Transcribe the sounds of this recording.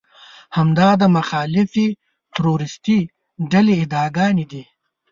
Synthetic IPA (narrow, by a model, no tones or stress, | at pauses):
hɐmd̪ɑːd̪əmɐxɑːlɪfi | t̪ɾoɾɪst̪i | ɖɐliːd̪ɑːɡɑːnid̪i